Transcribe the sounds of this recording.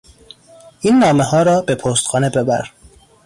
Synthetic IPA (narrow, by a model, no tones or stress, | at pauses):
ʔiːnːɒːmehɒːɾɒːbe̞pʰoːst̪xɒːne̞be̞bæ̰ɾ